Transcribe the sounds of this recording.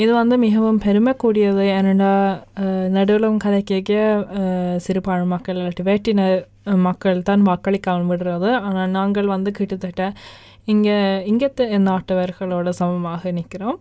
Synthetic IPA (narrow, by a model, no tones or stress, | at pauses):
ɪðɯʋɐnd̪ɯmɪɣɐʋɯmpɛɾɯmɐkːuːɽɪjɐðɯɛnɐɳɖaː | nɐɽɯɭɐmkɐðɐkːeːkːɐ | sɪɾɯpːaːɻɯmːɐkːɐɭːɐʈːiʋeːʈːɪnɐ | mɐkːɐɭt̪aːnʋaːkːɐɭɪkːaːɐmʋɪɽɯɾɐðɯaːnaːnaːŋɡɐɭʋɐnd̪ɯkɪʈːɯt̪ːɐʈːɐ | ɪŋɡeɪŋɡɐt̪ːɯɛnd̪aːʈːɯʋɐɾɣɐɭoːɽɐsɐmbɐmaːɣɐnɪkːɪɾoːm